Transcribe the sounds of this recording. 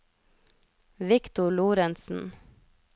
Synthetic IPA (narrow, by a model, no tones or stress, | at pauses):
ʋɪkt̪ʊɭuːɾɛnsn̩